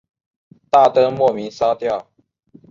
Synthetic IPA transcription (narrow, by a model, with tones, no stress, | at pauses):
t̪a˥˨t̪ɤ˥˦ŋmwɔ˥˨mi˨˦nsa˥ʊt̪jɑ˥˨ʊ